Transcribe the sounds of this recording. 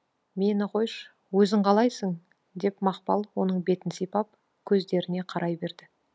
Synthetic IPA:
menoqo̞jʃ | wɵzɪɴqʰɑlˠɑjsəɴ | d̪e̞pmɑqpɑ̰lˠwo̞nəɴbe̞t̪ɪnsijpɑp̚ | kʲʰɵzd̪e̞ɾɪne̞qʰɑɾɑjbe̞ɾd̪ɪ

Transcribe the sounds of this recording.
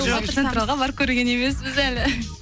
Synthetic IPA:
osent̪ralˠʁɑbɑɾp̚kʲʰɵɾɡʲe̞ne̞me̞sbɪzælɪ

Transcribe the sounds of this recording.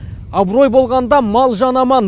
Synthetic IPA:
ɑbɾo̞jbo̞lˠʁɑnd̪ɑmɑlˠʒɑnɑmɑn

